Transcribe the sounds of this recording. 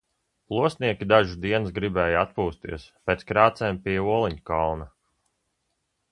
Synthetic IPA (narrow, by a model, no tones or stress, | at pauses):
plˠuɔsniɛkʲid̪aʒid̪iɛnsɡɾibɛːjat̪̚puːst̪ḭɛspeːt̪skɾaːt̪sɛːmpiuɔlˠiɲkalˠna